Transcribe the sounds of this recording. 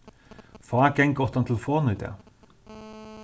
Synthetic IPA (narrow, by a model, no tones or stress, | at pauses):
fɑːɡɛŋɡɔt̪ɑnt̪ʰɪlfoːnəd̪ḛː